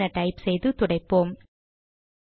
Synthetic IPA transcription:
ɐʈɐɪpsɛjðɯt̪ʊɽɐɪpːoːm

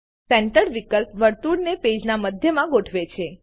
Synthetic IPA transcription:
sɛɳʈəɾʋikəlpʋəɾt̪uɽneped͡ʒnaməd̪ʱjəmãɡoʈʰʋet͡ʃʰe

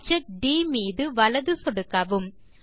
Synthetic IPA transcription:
t͡ʃɐk̚ɖiːmiːðɯʋɐlɐðɯsɔɽɯkːɐʋɯm

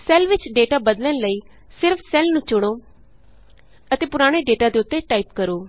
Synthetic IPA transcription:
sɛːlʋɪt͡ʃɖeːʈaːbəd̪lənləiː | sɪɾfʰsɛːlnũːt͡ʃʊɽ̃oː | ət̪eːpʊɾaːɽ̃eːɖeːʈaːd̪eːʊt̪ːeːʈaːiːpkəɾoː

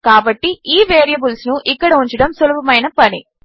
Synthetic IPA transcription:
kaːbɐʈːiiːʋeːɾijɐbulsnuʔikːɐɽɐuɲt͡ʃɐɽɐmsolubɐmɐjnɐpɐni

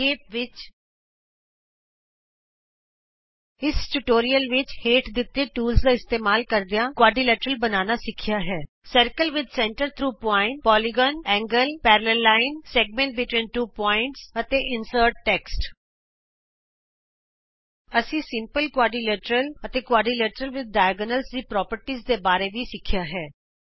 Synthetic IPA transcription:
eːp̚ʋɪt͡ʃ | ɪsʈuʈoːɾiəlʋɪt͡ʃheːʈd̪ɪt̪ːẽːʈuːlsd̪aːɪst̪eːmaːlkəɾd̪ejãːkwaːɖiːlɛːʈəɾəlbənaːnaːsɪkʰːijaːɦɛː | səɾkəlʋɪd̪sɛ̃ɳʈəɾt̪ʰɾuːpɔːɪ̃ɳʈpɔːliɡɔːnɛ̃ːŋɡəlpɛːɾələlːaːɪnsɛːɡ̚mɛ̃ːɳʈ̚bɪʈwĩːnʈuːpɔːɪ̃ɳʈsət̪eːʔɪnsəːɾʈ̚ʈɛːksʈ | əsĩːsɪmpəlkwaːɖiːlɛːʈəɾələt̪eːkwaːɖiːlɛːʈəɾəlʋɪd̪̚ɖaːɪɡənəlsd̪iːpɾɔːpəɾʈiːzd̪eːbaːɾeːʋiːsɪkʰːɪjaːɦɛː

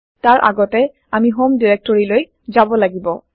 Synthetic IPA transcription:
taɹʔa̰ɡɔtɛ | amiɦomdiɹɛk̚tɔɹiloj | zabɔlaɡibɔ

